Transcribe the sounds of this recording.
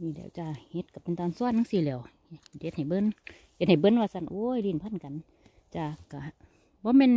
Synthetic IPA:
niː˧˩lɛ̰ː˧˩˨wt͡ɕa˧˩he˧˦t̪̚ka˧˩pe˨nt̪ɔː˧˨nsu˧˨ə˨nːa˧˥ŋsiː˧˨lɛː˧˩˨whthe˧t̪̚ha˨˩jbɤ˧˥˨n | he˧t̪̚ha˨˩jbɤ˧˨nwaː˧sa˧˥˨nʔo˧˦˨jliː˧˩˨npʰa˧˥˨nka˨n | t͡ɕa˧˩ka˧˩ | bɔː˧˦mɛː˧˨n

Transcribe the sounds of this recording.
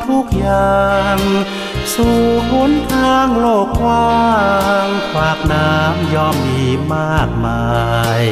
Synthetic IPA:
t̪ʰu˧˥˩k̚jaː˨˩ŋ | suː˨˧˩kʰu˧˥nt̪ʰaː˧˥ŋloː˧˩k̚waː˧˥ŋkʰwaː˧˩k̚naː˦˥mjɔː˧˥˩mdiː˧˩maː˥˩k̚maː˧j

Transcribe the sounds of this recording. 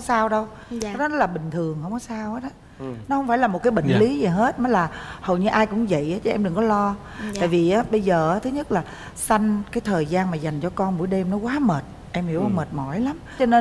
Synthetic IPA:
saː˧wɗə˧w | ɗɔ˨˦nɔ˨˦˥laː˨˩ɓï˨˩ŋ̟t̪ʰɨ˨˩əŋhə˧wŋ͡mkɔ˨˦saː˧wʔaː˨˦˥ɗ | nɔ˨˦hə˧wŋ͡mfaː˧˩jlaː˨˩mo˨˩t̚kaː˨˦jɓḭ˧˨ŋ̟li˨˦zi˨˩ɦe˦˥t̚nɔ˨˦jlaː˨˩hə̰˨˩wɲɨ˧ʔaː˧jkʊ̰˧˥ŋ͡mzə̰˧˨jʔaː˨˦t͡ɕɔ˧˩ʔɛ˧mɗɨ˨˩ŋkɔ˨˦lɔ˧ | t̪a̰ː˧˨vi˨˩ʔaː˨˦ɓə˧jzəː˨˩ʔaː˨˦t̪ʰɨ˨˦ɲə˦˥t̚laː˨˩ | sa˧jŋ̟kaː˨˦jt̪ʰəː˨˩jzaː˧nmaː˨˩za˨˩jŋ̟t͡ɕɔ˧kɔ˧nɓu˧˩˥jɗe˧mnɔ˨˦kwaː˨˦məː˨˩t̚ | ʔɛ˧mhi˧˩˦wməː˨˩t̚mɔ˧˩jla˨˦m | t͡ɕɔ˧ne˧

